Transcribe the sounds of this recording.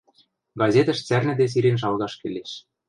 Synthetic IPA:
ɡɑzʲet̪ə̆ʃt͡særnɘ̆d̪es̬iɾenʃ̬ɑlɣɑʃkĕlʲeʃ

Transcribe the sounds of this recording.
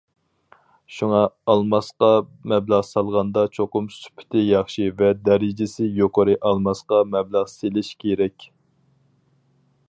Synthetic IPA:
ʃuŋɑːlˠmɑsqɑmɛblˠɑʁsɑlˠʁɑnd̪ɑt͡ʃʰoqʊmsy̥pʰɪ̥t̪ʰɪjɑχʃivɛd̪ɛɾɪd͡ʒɪsɪjoqʰəɾɨʔɑlˠmɑsqɑmɛblˠəʁselɪʃkʲʰeɾɛkʲ

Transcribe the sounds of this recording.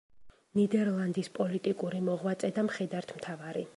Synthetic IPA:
nid̪ɛɾlˠand̪ispʼɔlit̪ʼikʼuɾimɔʁwat̪sʼɛd̪amχɛd̪aɾt̪ʰmt̪ʰavaɾi

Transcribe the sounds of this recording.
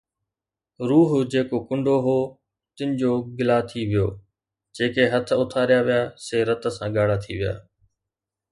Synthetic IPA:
ɾuːɦʊd͡ʑeːkokʊ̃ɳɖʱoɦoː | t̪ɪ̃nɪ̆d͡ʑoːɡɪlaːt̪ʰiʋɪjo̰ː | d͡ʑeːkeɦɐt̪ʰʊt̪ʰaːɾɪjaʋɪjaːseːɾɐt̪ə̆sãɠaːɽat̪ʰiʋɪja̰ː

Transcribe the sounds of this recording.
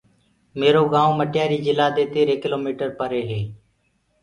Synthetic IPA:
meːɾoːɡãːõːməʈjaːɾiːd͡ʒɪlaːd̪eːt̪eːɾeːkɪloːmiːʈəɾpəɾeːɦeː

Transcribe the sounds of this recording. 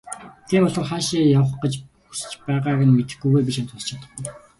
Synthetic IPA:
t̪ʰiːmɔɮɞ̆rχaːʃiːjawə̆χɢə̆t͡ɕ | u̥st͡ɕpæːʁaːɣə̆nmet̪ɘ̆xɡujɣeːp̬ʲiʃant͡s̪ʰʊɮt͡ɕʰat̪ə̆k

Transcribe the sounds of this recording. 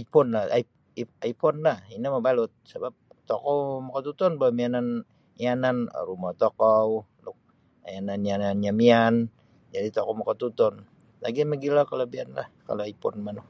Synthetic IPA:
aipɔnlahai | aijpɔnlahinaməbalʊt̪̚səbap̚ | t̪ɔkɔwmakawt̪ut̪ɔnbawmianan | ianan̰rumat̪okɔwlʊk̚ | ajananiananɲamian | d͡ʒadit̪ɔkɔwmakat̪ut̪ɔn | la̰ɡiməɡilakalobianla̰hka̰loaipɔnmanu

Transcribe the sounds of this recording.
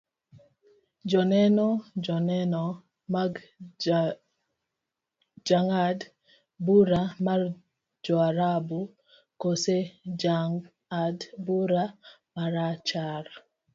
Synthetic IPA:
d͡ʒɔnɛnɔd͡ʒɔnɛnɔ | ma | d͡ʒaŋad | buɾamar | d͡ʒɔaɾabu | kosed͡ʒaŋ | adbuɾa | maɾat͡ʃaɾ

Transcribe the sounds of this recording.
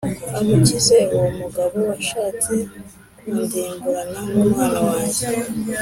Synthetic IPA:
amuciseomuɡaβo̞waʃaːt͡se | kiːndiːŋɡuɾananumhaːnawaːje

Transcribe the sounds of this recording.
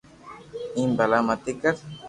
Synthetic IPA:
imbalamat̪ikaɾ

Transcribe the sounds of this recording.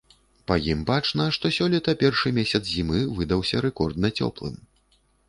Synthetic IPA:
pɐjimbat͡ʂnɐʂt̪ɔsʲɔlʲit̪ɐpʲɛrʂɨmʲesʲɐt̪zzʲimɨvɨd̪ɐwsʲɐɾɛkɔrd̪nɐt͡sʲɔ̰plˠɨ̰m

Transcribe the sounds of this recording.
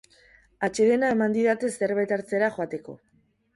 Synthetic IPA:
at͡ʃe̞ðe̞naemand̪iðat̪e̞se̞ɾβajt̪aɾt͡se̞ɾaxoat̪e̞ko̞̰

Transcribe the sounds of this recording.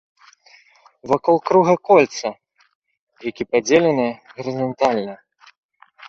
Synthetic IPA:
vakɔlˠkɾuɣɐkɔlʲt̪sɐ | jakʲipad͡zʲelʲɛnɨjɣɐɾʲizant̪alʲnɐ

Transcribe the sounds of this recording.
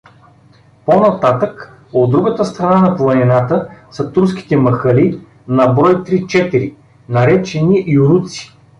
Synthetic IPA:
ponɐt̪at̪ək | od̪ːɾuɡət̪əst̪ɾɐnanɐplˠɐnɛnat̪əsɐt̪uɾsk̟ʲi̥t̪ɛmɐxəli | nɐbɾɔjt̪ɾit͡ʃɛt̪iɾi | nɐɾɛt͡ʃɛniʔiʊɾut̪si̥

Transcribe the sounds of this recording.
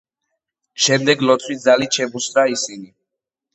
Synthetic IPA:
ʃɛmd̪ɛɡlɔt̪sʰwidzaliʃɛbusɾaisini

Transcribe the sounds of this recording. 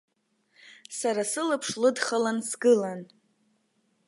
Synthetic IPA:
saɾasɨlɨpʰʂlɨdχalansɡɨlan

